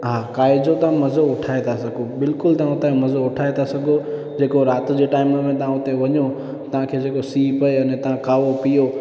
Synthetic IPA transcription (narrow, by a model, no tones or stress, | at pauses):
ɦaːkaːɪd͡ʑot̪ɐʋ̤ãmɐzoʊʈʰaːet̪ʰasɐɡʱobɪlkʊlt̪ɐʋãʊt̪ãmɐzoʊʈʰaːet̪ʰasɐɡʱo | d͡ʑeːkoɾaːt̪̆d͡ʑeːʈaːɪmə̆mẽt̪ɐʋ̤ãʊt̪eʋɐɲo | t̪ɐʋ̤ãkʰeːd͡ʑeːkosiːpɐeɐnẽt̪ɐʋ̤ãkaːʋopijo